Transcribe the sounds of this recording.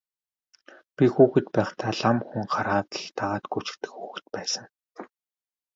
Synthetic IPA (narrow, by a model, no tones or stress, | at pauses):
pʲixuːxɘ̆t̪pæːχt̪ʰaːɮamxuŋχaɾaːt̪ə̆ɮt̪aʁaːt̪ɡut͡ɕɪ̥̆kt̪ɘ̆xxuːxɘ̆t̪̚pæːsə̆ŋ